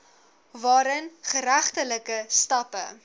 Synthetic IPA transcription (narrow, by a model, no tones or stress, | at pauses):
vɑːɾənχəɾæχtələkəstɐpə̰